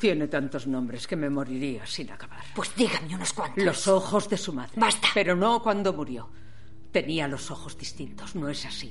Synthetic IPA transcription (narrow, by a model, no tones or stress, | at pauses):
t̪je̞ne̞t̪ant̪o̞znõ̞mbɾe̞ske̞me̞mo̞ɾiɾiasina̰kaβaɾpwe̞zd̪iɣameunoskwant̪lo̞so̞xo̞zðe̞sumaðɾebast̪ḁpe̞ɾo̞no̞kwand̪o̞muɾjo̞ | t̪e̞nialo̞so̞xo̞zðist̪int̪o̞zno̞esasi